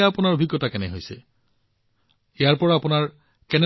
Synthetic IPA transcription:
aːpʊnaɹobʱiɡːɔtakɛnɛɦojsɛ̰ | ijaɹpɔɹapʊnaɹ | kɛnɛ

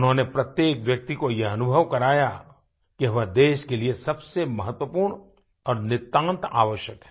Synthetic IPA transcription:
ʊnɦõnepɾɐt̪jeːkʋjɐk̚t̪ikojeɐnʊbʱəʋkɐɾaːja | kiɦɐʋad̪eːʃkeliesɐbsemɐɦət̪wəpuːɾɳ | ɔːɾnɪt̪ːãːnt̪aːʋəʃjəkɦɛ̥ː

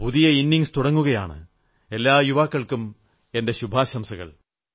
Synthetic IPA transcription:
puðijɐinːiŋst̪uɽɐŋːuɣɐja̰ːɳɨ̰ | e̞lːaːjuʋaːkːɐɭkum | e̞nde̞ɕubʱaːɕɐmsɐɣɐ̰ɭ

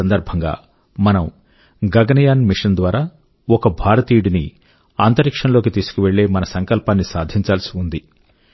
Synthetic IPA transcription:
ɐnd̪ɐɾbʱɐŋɡa̰ː | mɐnɐm | ɡɐɡɐnɐjaːnmiʂɐnd̪ʋaːɾaː | ɔkɐbʱaːɾɐt̪iːɽini | aːnt̪ɐɾikʂɐɳlo̞ːkit̪iːsu̥kuʋe̞ɭːeːmɐnɐsɐŋkɐlpaːnːisaːd̪ʱiɲt͡ʃaːlɐsiund̪i

